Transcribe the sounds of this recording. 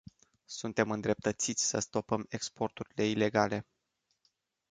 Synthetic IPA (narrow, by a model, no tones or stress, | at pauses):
sunt̪e̞mɨnd̪ɾe̞p̚t̪ət̪sit̪sʲsəst̪o̞pəme̞kspo̞rt̪uɾile̞ile̞ɡale̞